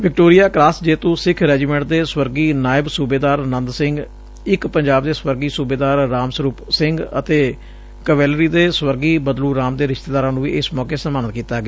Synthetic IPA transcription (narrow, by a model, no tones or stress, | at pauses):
ʋɪk̚ʈoːɾɪjaːkɾaːsd͡ʒeːt̪õːsɪkʰɾɛːd͡ʒiːmɛ̃ːɳʈ̚d̪eːswəɾɡiːnaːɪbsuːbeːd̪aːɾnənd̪sɪ̃ŋɡ | ɪkpəɲd͡ʒaːbd̪eːswəɾɡiːsuːbeːd̪aːɾːaːmsəɾuːpsɪŋɡət̪eː | kəʋɛːlɾiːd̪eːswəɾɡiːbəd̪luːɾaːmd̪eːɾɪʃt̪eːd̪aːɾãːnũːʋḭːɪsmɔːkeːsəmaːnət̪kiːt̪aːɡeː